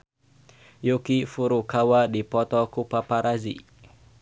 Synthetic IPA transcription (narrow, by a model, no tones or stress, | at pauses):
jukifuɾukawadipɔt̪ɔkupapaɾazḭ